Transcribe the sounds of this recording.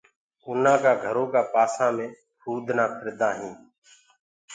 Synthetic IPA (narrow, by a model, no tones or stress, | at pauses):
ʊnãːkaːɡʱəɾõːkaːpaːsãːmẽː | hʰuːd̪ʱnaːpʰəɾɪd̪ãːɦĩː